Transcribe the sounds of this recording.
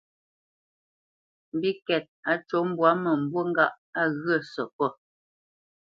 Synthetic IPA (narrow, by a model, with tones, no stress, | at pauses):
m̩˨bi˦kɛ˨t̚a˨˦t͡ʃo˨˦m̩˦bwa˨˦mə˨m̩˨bwo˦ŋ̩˦ɡa˦˨ʔ | a˦˨ɣə˦˨sɔ˨pɔ˦˨